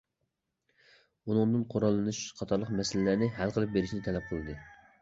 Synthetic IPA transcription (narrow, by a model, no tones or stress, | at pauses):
unɨŋd̪ɨnqʰoɾɑlˠːɨnuʃqʰɑt̪ʰɑɾlˠəqmɛsɪlɪlæɾnɪɦælˠqʰəlˠɨp̚beɾɪʃnɪt̪ʰɛlɛp̚qʰəlˠɨd̪ɨ